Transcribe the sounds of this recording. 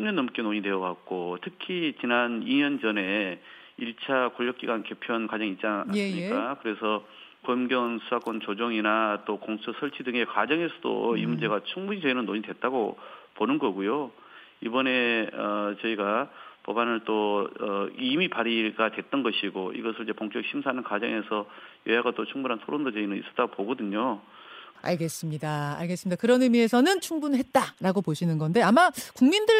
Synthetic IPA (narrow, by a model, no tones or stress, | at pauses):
umɲʌnːʌmk͈enoɲidwe̞ʌɡak̚k͈otʰɯkʰit͡ɕinaniɲʌnd͡ʑʌne̞ | iɭt͡ɕʰakoʎːʌk͈iɡwanke̞pʰjʌnkad͡ʑʌŋit͡ɕ͈aaimɲik͈akɯɾe̞sʰʌ | kʌmɡjʌnsʰusʰak͈ʌnt͡ɕod͡ʑoŋinat͈okoŋsʰusʰʌɭt͡ɕʰidɯŋe̞kad͡ʑʌŋɦesʰʌdo̰imund͡ʑe̞ɡat͡ɕʰuŋbuɲit͡ɕʌinɯnːoɲidwe̞t̚t͈aɡoponɯnɡʌɡujo | ibʌne̞ʌt͡ɕʌiɡapʌbanɯɭt͈oʌimipaɾiɡatwe̞t̚t͈ʌnɡʌɕʰiɡoḭɡʌsʰɯɭd͡ʑepoŋk͈jʌk̚ɕʰimsʰanɯnkad͡ʑʌ̰ŋe̞sʰʌjʌjaɡat͈ot͡ɕʰuŋbunɦantʰoɾondot͡ɕeinɯnḭs͈ʌ̥t͈aɡopoɡʌdɯɲo | a̰ɭɡe̞s͈ɯmɲidaa̰ɭɡes͈mɲid̥akɯɾʌnɯmie̞sʰʌnɯnt͡ɕʰuŋbunɦe̞t̚t͈aɾaɡopoɕʰinɯnɡʌnde̞amakuŋmindɯɭ